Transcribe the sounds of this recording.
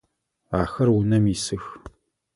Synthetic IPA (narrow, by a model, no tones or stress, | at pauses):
aːxɐrwʊnɐmisɨx